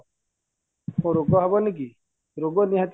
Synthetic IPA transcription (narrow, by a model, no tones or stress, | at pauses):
õɾoɡɔɦɔbɔnik̬i | ɾoɡɔniɦat̪